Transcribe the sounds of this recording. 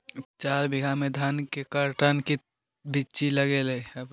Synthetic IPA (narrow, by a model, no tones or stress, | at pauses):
t͡ʃaːɾbʱiɡʱamed̪ʱənkekəɾʈənki | bit͡ʃiləɡeleəb